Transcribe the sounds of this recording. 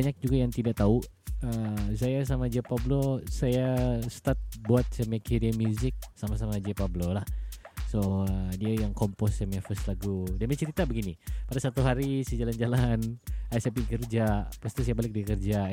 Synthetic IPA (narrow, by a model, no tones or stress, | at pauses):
aɲak̚d͡ʒuɡajaŋt̪idaʔt̪au | əsajas̬amad͡ʒapablosajasə̥t̪at̪̚buat̪̚sɛmakiɾiamuzɪk̚samas̬amad͡ʒiapablolahsoədiajaŋkɔmpɔsɛmafəslaɡudamat͡ʃəɾit̪abəɡinipadasat̪uɦaɾisəd͡ʒaland͡ʒalanaɛsɛpikərd͡ʒapast̪is̬ajabalɪk̚dikərd͡ʒa